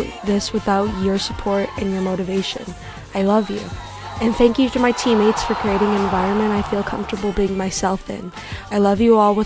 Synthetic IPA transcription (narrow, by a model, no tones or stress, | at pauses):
ðɪswɨθaʊt͡ʃə˞sə̥pʰɔɹɾɨ̃njə˞moʊɾɨveɪʃɨ̰̃n | aɪlʌvjʉ̰ | ɨ̃nθæ̃ŋkjɨtəmaɪtʰĩmeɪtsfə˞kʰɹ̥ieɪɾɪ̃ŋɨ̃ɱvaɪɹɨ̃nmɨ̃naɪfilˠkʰʌ̰̃ɱftə˞bl̩ˠbiɪ̃ŋmaɪsɛlˠfɪ̰̃n | aɪlʌvjɨɔlˠwə